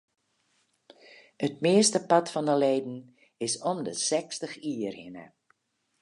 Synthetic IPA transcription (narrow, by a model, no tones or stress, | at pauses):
ət̚mɪəstəpɑtfɔndəleːdn̩ | ɪsɔmdəsɛkstəxiːərhɪnə̰